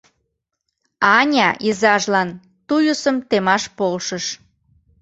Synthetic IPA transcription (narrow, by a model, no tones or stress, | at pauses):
ɑnʲɑʔizɑʒlɑn | t̪ujusəmt̪emɑʃpolʃəʃ